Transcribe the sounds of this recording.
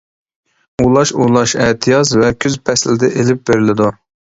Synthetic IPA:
ulˠɑʃulˠɑʃɛt̪ʰɨjɑzvɛkʲʰyzpʰɛslɪd̪ɪʔelɪp̚beɾɪlɪd̪u

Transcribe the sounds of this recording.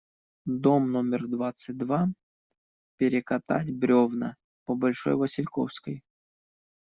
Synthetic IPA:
d̪omnomʲɪrd̪vat̪sɨt̚ʲd̪va | pʲɪɾʲɪkɐt̪a̰tʲbɾʲovnə̰ | pəbɐlʲʂo̰jvəsʲɪlʲko̰fskəj

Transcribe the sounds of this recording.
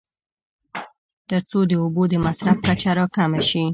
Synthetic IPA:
t̪əɾt͡sod̪əubod̪əmasɾafkat͡ʃaɾɑkamaʃi

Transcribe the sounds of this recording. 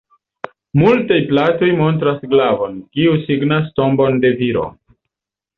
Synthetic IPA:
multajplato̞jmo̞ntɾasɡlavo̞nkiusiɡnasto̞mbo̞nde̞viɾo̞̰

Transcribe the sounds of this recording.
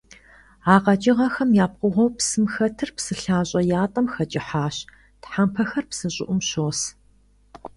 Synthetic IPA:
aːqɐt͡ʃʼɪʁɐxɐmjaːp̚qʷʊʁʷɔwpsɨmxɐtʰɨrpsɨɬaːɕʼɐjaːtʼɐmxɐt͡ʃʼɪħaːɕ | tħampʰɐxɐrpsɨɕʼɪ̰ʔʷʊmɕoːs

